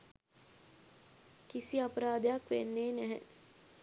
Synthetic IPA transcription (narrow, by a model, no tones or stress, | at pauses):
kisiɐpɾaːd̪jakʋenːeːnɛɦɛ̰